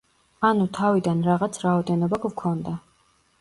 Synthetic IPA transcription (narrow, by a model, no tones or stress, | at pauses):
anut̪ʰavid̪anɾaʁat̪sʰɾaɔd̪ɛnɔbaɡvkʰɔnd̪a